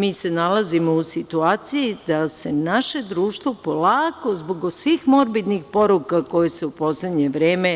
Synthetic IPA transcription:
miːsenalˠazimousit̪uaːt̪sijid̪ase̞naʃe̞d̪ɾuːʃt̪ʋopo̞laːko̞zboɡsʋiːxmo̞ɾbid̪nixpo̞ɾukako̞jeseupo̞sled̪ɲeʋɾeːme

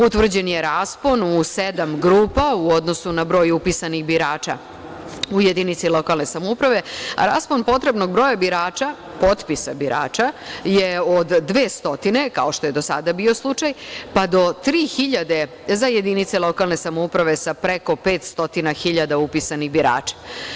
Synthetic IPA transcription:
ut̪ʋr̩d͡ʑe̞njeɾaːsponused̪amɡɾuːpauod̪no̞sunabɾo̞ːjupisanixbiɾaːt͡ʃa̰ | ujed̪init̪silˠo̞kalˠne̞samoupɾaʋe̞a̰ɾa̰ːsponpo̞t̪ɾe̞bno̞ɡ̚bɾojabiɾaːt͡ʃa | po̞t̪pisabiɾa̰ːt͡ʃaje̞od̪ːʋeːst̪o̞t̪ine̞ka̰o̞ʃt̪o̞je̞d̪o̞sa̰d̪abio̞slˠut͡ʃajpad̪o̞t̪ɾiːxiʎad̪e̞ | zajed̪init̪selˠo̞kalˠne̞samoupɾaʋe̞sapɾeko̞pe̞ːt̪st̪o̞t̪inaxiʎad̪aupisaniɣbiɾa̰ːt͡ʃḁ

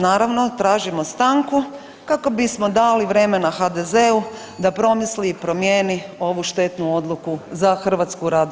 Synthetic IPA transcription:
naːɾaʋno̞t̪ɾaːʒimo̞st̪aŋku | kakobismo̞d̪aːliʋɾe̞me̞naxad̪ezeu | d̪apɾo̞misliːpɾo̞mjeːnio̞ʋuʃt̪e̞t̪nuo̞d̪lˠukuzaxr̩ʋat̪skuɾaːd̪

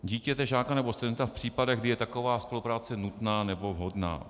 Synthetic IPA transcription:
ɟiːcɛt̪ɛʒaːkanɛbost̪udɛnt̪afpr̝̥iːpadɛɣɡdɪjɛt̪ako̞vaːspo̞lupɾaːt͡sɛnut̪naːnɛbo̞vɦo̞dna̰ː

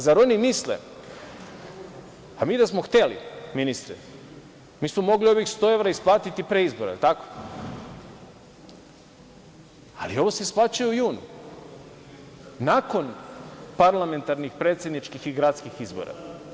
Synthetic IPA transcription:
zaɾonimislḛ | amiːd̪asmoxt̪e̞lḭminist̪ɾɛ | miːsmomo̞ɡlio̞ʋjikst̪o̞e̞ʋɾaisplˠaːt̪it̪ipɾeizboɾa̰t̪ako̥ | alio̞ʋoseisplˠaːt͡ʃujuujuːnṵ | nako̞npaɾlˠame̞nt̪aɾnixpɾet̪sʲjed̪nit͡ʃkixiɡɾat̪skixizbo̞̰ɾa̰

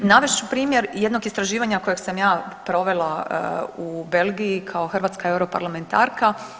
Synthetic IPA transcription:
naʋeʃt͡ʃupɾiːmjeɾjed̪no̞ɡist̪ɾaʒiːʋaɲako̞jeɡsamjaːpɾo̞ʋe̞lˠa | ube̞lɡijikʰaoxr̩ʋaːt̪skae̞wɾo̞pa̰ɾlˠame̞nt̪a̰ːɾka

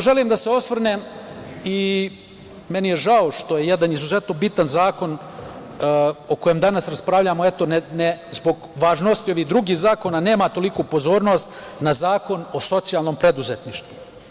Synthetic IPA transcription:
ʒe̞limd̪aseo̞sʋr̩neːmi | me̞nijeʒao̞ʂt̪o̞je̞jed̪anizuzet̪nobit̪anzaːko̞nː | oko̞jemd̪anasɾaspɾaʋʎamo̞et̪onenezbo̞ɡʋaːʒno̞st̪io̞ʋiɦd̪ɾuɡiːhzaːko̞nane̞ːmat̪o̞likupo̞zo̞ːɾno̞st̪ | nazaːko̞no̞so̞t̪sijalˠno̞ːmpɾe̞d̪uzet̪niʃt̪ʋu

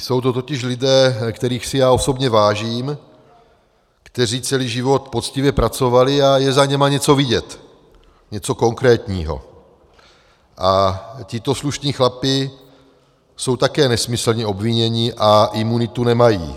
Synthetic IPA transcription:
so̞wt̪ot̪o̞cɪʃlɪdɛːkt̪ɛɾiːxsɪjaːo̞so̞bɲɛvaːʒiːm | kt̪ɛriːt͡sɛliːʒɪvo̞t̪po̞t͡scɪvjɛpɾat͡so̞valɪajɛzaɲɛmaɲɛt͡so̞vɪɟɛt̪ | ɲɛt͡so̞ko̞ŋkɾɛːt̪ɲiːɦo̰ | ʔacɪt̪o̞sluʃɲiːxlapɪ | so̞wt̪akɛːnɛsmɪsl̩ɲɛo̞bvɪɲɛɲɪʔaʔɪmunɪt̪unɛmajḭː

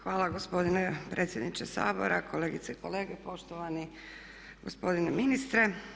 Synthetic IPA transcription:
xʋaːlˠaɡospo̞d̪inepɾet̪sje̞d̪nit͡ʃesa̰ːbo̞̰ɾʔakʰo̞le̞ːɡit̪seikʰo̞le̞ːɡepo̞ʃt̪oʋani | ɡospo̞d̪ineminist̪ɾe̞

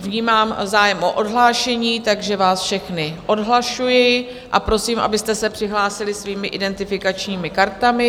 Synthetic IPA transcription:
vɲiːmaːmzaːjɛmʔo̰ʔodɦlaːʃɛɲiːt̪aɡʒɛvaːsfʃɛxnɪʔo̞dɦlaʃujɛj | ʔapɾo̞siːmʔa̰bɪst̪ɛsɛpr̥ɪɦlaːsɪlɪsviːmɪʔɪdɛnt̪ɪfɪkat͡ʃɲiːmɪkaɾt̪amɪ

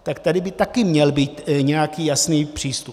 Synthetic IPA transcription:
t̪akt̪adɪbɪt̪akɪmɲɛlbiːt̪ɲɛjakiːjasniːpr̥iːst̪up

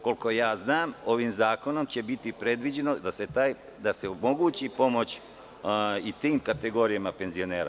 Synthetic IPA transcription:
ko̞lko̞jaːznaːmo̞ʋimzaːko̞no̞mt͡ɕe̞bit̪ipɾe̞d̪ʋid͡ʑe̞nod̪aset̪aːj | d̪ase̞omo̞ɡuːt͡ɕipo̞mo̞t͡ɕ | it̪iːmkat̪e̞ɡo̞ɾijamape̞nzio̞ne̞ːɾa̰

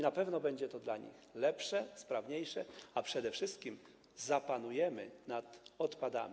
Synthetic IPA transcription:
napɛvnɔbɛɲd͡ʑɛt̪ɔd̪laɲḭxlɛpʂɛspɾavɲejʂɛapʂɛd̪ɛfʂɘst̪kʲim | zapanujɛmɘnat̪ɔt̪pad̪a̰mʲ

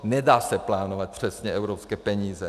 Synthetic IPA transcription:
nɛdaːsɛplaːnovat̪̚pr̝̥ɛsɲɛʔɛvɾopskɛːpɛɲiːzɛ

